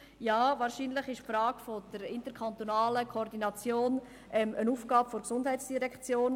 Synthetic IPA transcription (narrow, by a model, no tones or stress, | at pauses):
jaːvaːɾʃiːnlɪχɪʃfɾaːɡ̥fod̥əɾɪntəɾkʰant̪onaːləkʰoɔɾdinɑt͡sjoːn | ʔɛmənuːfɡ̥aːbfoɾksʊnd̥ɦɛɪtsd̥iʁɛkt͡sjoːn